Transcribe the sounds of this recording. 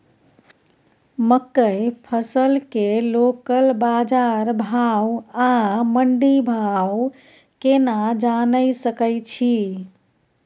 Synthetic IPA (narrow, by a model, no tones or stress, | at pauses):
məkːəjpʰəsəlkelokəlbad͡ʒaɾbʱawaməɳɖibʱaw | kenad͡ʒanəsəkəjt͡ʃʰi